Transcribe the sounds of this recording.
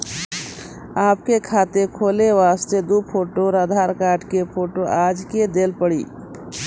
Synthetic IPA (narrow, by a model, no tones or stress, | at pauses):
aːp̚kekʰaːt̪ekʰoːleʋaːst̪ed̪upʰoːʈoɾaːd̪ʱaːɾkaːʈkepʰoːʈoʔaːd͡ʒked̪eːlpəɽḭː